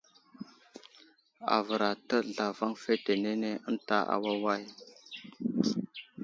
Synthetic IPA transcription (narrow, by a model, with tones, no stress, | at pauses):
a̰˨və˨ɾa˨tə˦ɮa˨va˦ŋfe˦te˨ne˦ne˦ə˦nta˦ʔa̰˨wa˦wa˦j